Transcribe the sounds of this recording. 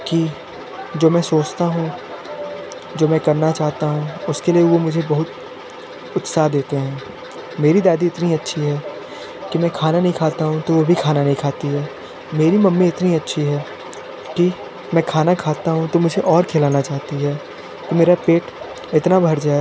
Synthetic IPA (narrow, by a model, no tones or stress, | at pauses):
ki | d͡ʒoːmɛ̃ːsoːt͡ʃt̪aɦũ | d͡ʒoːmɛ̃kɐɾnat͡ʃaːɦt̪aɦũʊskelieʋomʊd͡ʒʱebɐɦʊt̪ | ʊt̪saɦd̪eːt̪eɦɛ̃ː | meːɾid̪aːd̪iɪt̪niɐtːʃʰiɦɛː | kimɛ̃ːkʰaːnanɐɦĩkʰaːt̪aɦũt̪oʋobʱikʰaːnanɐɦĩkʰaːt̪iɦɛː | meːɾimɐmːiɪt̪niɐtːʃʰiɦɛː | ki | mɛ̃ːkʰaːnakʰaːt̪aɦũt̪omʊd͡ʒʱeʔɔːɾkʰeːlaːnat͡ʃaːɦt̪iɦɛː | kimeːɾapeːʈ | ɪt̪nabʱɐɾd͡ʒaːe